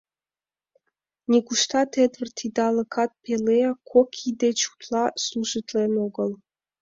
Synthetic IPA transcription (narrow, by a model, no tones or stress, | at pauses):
nʲikuʃt̪ɑt̪ed̪vərt̪ʰid̪ɑlɤ̆kʰɑt̪̚pelejɑkʰokʲʰid̪et͡ɕu̥t̪lˠɑslˠuʒɨt̪lʲenoɡəlˠ